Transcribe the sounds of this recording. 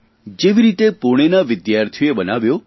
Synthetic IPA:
d͡ʒeʋiɾit̪epoɽ̃enaʋɪd̪jaɾt̪ʰjuebənaʋjo

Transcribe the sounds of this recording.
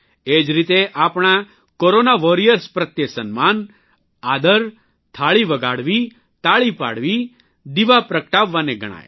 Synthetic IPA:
ed͡ʒɾit̪eʔapɽ̃a | koɾonaʋoɾijəɾspɾət̪jesənman | ad̪əɾ | t̪ʰaɭiʋəɡaɽʋi | t̪aɭipa̰ɽʋi | d̪iʋapɾəkəʈaʋːaneɡə̰ɽ̃a̰jḛ

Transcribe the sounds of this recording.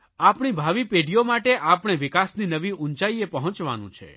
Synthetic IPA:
apɳibʱaʋipeɖijomaʈeʔapɳ̃eʋɪkasninəʋiʔunt͡ʃaiepəɦɔ̃t͡ʃʋa̰nṵ̃t͡ʃʰḛ

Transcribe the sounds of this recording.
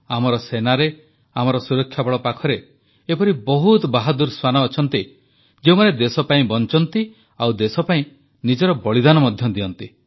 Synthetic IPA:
amɔɾɔsenaɾe | amɔɾɔsuɾɔkʰːjabɔɭɔpakʰɔɾe | epɔɾibɔɦut̪baɦɔd̪uɾswanɔːt͡ʃʰɔnt̪i | d͡ʒeumaned̪esɔpaĩbɔnt͡ʃɔnt̪i | awd̪esɔpaĩ | nid͡ʒɔɾɔbɔɭid̪anɔmɔd̪ʱjɔd̪iɔnt̪i

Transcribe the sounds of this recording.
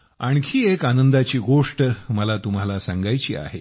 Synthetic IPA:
aɳ̃kʰiːekanənd̪at͡ɕiːɡoʂʈməlat̪um̤alasaŋɡajt͡ɕḭːa̰ɦe

